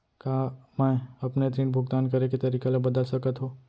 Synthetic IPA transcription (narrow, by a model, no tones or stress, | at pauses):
kamɛ̃ɐpnet̪ɾĩːnbʱʊɡt̪aːnkɐɾeket̪ɐɾiːkelebɐd̪əlsɐkət̪ɦoː